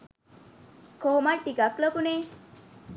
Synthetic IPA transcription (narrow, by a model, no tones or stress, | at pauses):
koɦomaʈːikakləkune